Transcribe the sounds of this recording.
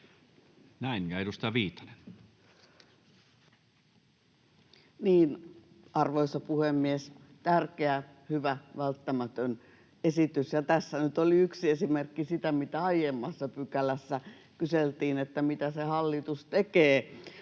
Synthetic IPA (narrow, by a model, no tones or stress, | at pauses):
næinkæˑidust̪ɑʋiːt̪ɑ̥ne̥n | niːn | ɑrʋoisɑpuhemːies | t̪ærkeæ | hyʋæʋælt̪ːæmæt̪øn | esit̪ysjɑt̪æsːænyt̪oliyksiesimerkːisit̪æmit̪æɑjemːɑsːɑpykælæsːæ | kyselt̪iːnet̪ːæmit̪æsehɑlːit̪ust̪ekeː